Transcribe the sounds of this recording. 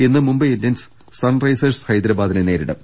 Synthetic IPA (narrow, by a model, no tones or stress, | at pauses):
enːɨmumbɐendɐns | sɐnrɐjsɐɾshɐjd̪ɾɐbaːd̪ɐnene̞ːɾiɽɐ̰m